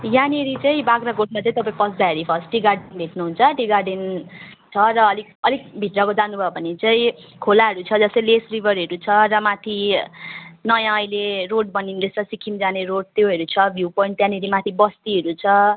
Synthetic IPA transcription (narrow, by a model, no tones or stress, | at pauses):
janeɾit͡saĩbaɡɾaɡoʈ̚ʰmat͡saĩt̪ʌpaĩpʌsd̪aɦeɾipʰʌsʈiɡarɖinbʱeʈnuɦunt͡sʰʌʈiɡaɖint͡sʰʌɾʌːlikʌlikbʱit̪rʌkod͡zanubʱʌepʌnit͡saĩ | kʰolaɦʌɾut͡sʰʌd͡zʌsʌjlesribʱʌɾɦʌɾut͡sʰʌrʌmat̪ʰi | nʌjãʌjleroɖ̚bʌninɾesasikʰimd͡zaneroɖ̚t̪joɦeɾut͡sʰʌbʱjupʌjɳʈt̪janeɾimat̪ʰibʌst̪iɦʌɾut͡sʰʌ